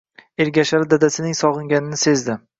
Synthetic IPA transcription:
eɾɡʲaʃaɾɪd̪ad̪asɪnɪŋsɒʁɨŋɡʲanɪnɪse̞zd̪ɪ

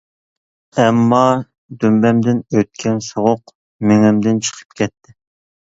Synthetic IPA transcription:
ɛmːɑ | d̪ymbɛmd̪ɪnøt̪̚kʲʰɛnsoʁʊq | meŋɪmd̪ɪnt͡ʃʰə̥qʰə̥p̚kʲʰɛt̪ʰːɪ

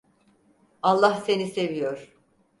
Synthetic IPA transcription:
alˠːahse̞nise̞vijoɾ̥

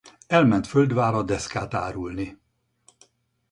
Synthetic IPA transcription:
ɛlmɛnt̪føld̪vaːɾɒd̪ɛskaːt̪a̰ːɾulni

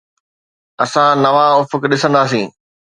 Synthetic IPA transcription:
ɐsãnɐʋaʊfəkɗɪsə̃nd̪aːs̬ĩː

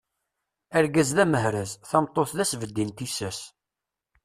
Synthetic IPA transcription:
æɾɡæzðæməɦɾæzθɑmt̪ˤːoθðæsvəd̪ːint̪isæs

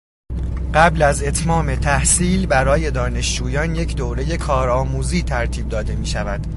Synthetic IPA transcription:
ɢ̥æblæze̞t̪ʰmɒːme̞t̪ʰæhsiːlbæɾɒːje̞d̪ɒːne̞ʃd͡ʒuːjɒːnje̞cʰd̪oːɾe̞je̞kʰɒːɾɒːmuːziːt̪ʰæɾt̪ʰiːb̚d̪ɒːd̪e̞miːʃævæd̪̥

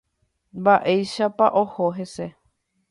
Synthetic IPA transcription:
mbaʔejʃapaʔohoɦe̞se

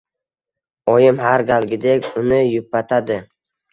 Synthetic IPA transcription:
ɒjɪmhaɾɡʲalɡʲɪd̪ekʲʊnɪjʊpːat̪ʰad̪ɪ

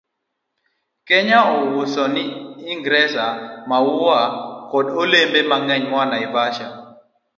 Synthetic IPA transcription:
kɛɲaɔwʊsɔnɪiŋɡɾɛsamawʊwakɔdolembemaŋɛɲwanaɪbaʃa

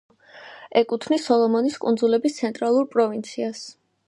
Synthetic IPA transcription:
ɛkʼut̪ʰnisɔlˠɔmɔniskʼṵnd̪zulɛbist̪sʰɛnt̪ʼɾalˠuɾpʼɾɔvint̪sʰias

